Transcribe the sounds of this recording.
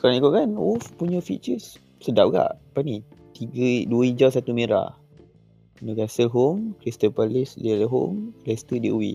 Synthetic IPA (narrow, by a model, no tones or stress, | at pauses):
kaɾaŋikʊʔkanufpuɲə̃fit͡ʃəs | sədap̚ɡa̰ʔpanit̪iɡəduəid͡ʒasat̪umeɾa̰ | nəkasəlɦomkɾist̪əpalɪsliləɦo̰mlɛst̪ədiʔuwḭ